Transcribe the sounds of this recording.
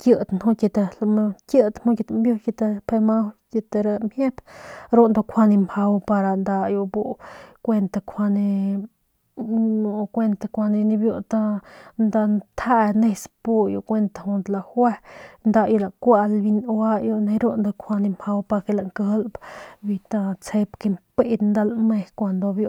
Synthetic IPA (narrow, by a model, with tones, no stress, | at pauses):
kjə˧d̪nhu˦kʲe˧t̪e˧lmkjə˧t̪mu˦kʲje˧t̪mbjo˦˧ke˧t̪e˧pʰe˧ma˦wke˧t̪e˧ɾa˧mje˦bɾo˦nd̪a˧kʷa˧ni˧mha˧wpa˧ɾa˧nd̪a˧ju˧bu˦˧kʷe˧nt̪a˧kʰʷa˧ni˧ | u˧kʷe˧nt̪a˧kʷa˧ni˧ni˧bju˧t̪a˦nd̪a˧nt̪ʰha˦ʔne˧spu˦jo˧kʷe˧nt̪a˨hu˧nd̪la˧˨hwe˦nd̪a˧jo˧la˨kʷa˧ʔlbi˧nwa˦jo˧ne˧ɾu˦nd̪o˧kʷʰa˧ni˧ma˧wpa˧ɾke˧la˧˨ŋkə˦lbbi˧t̪a˧t͡se˧pke˧mpe˦˧nd̪a˧lme˧hkʷa˧nd̪o˧bjo˧